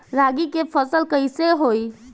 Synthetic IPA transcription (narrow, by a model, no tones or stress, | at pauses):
ɾaɡikepʰəsəlkəjseɦoj